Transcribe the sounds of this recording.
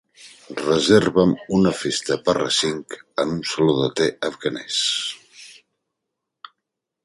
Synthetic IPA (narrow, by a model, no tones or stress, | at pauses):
rəzeɾβəmunəfest̪əpərə̰siŋkənunsəloðət̪eəfɣanɛs